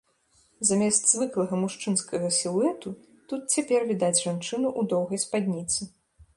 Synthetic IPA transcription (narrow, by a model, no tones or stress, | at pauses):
zamʲɛst̪zvɨklˠɐɣɐmuʂt͡ʂɨnskɐɣɐsʲilˠuɛt̪u | t̪ut̪̚t͡sʲapʲɛrvʲid̪ad͡zʲʐant͡ʂɨnuʔud̪ɔwɣɐjspad̪ʲnʲit̪sɨ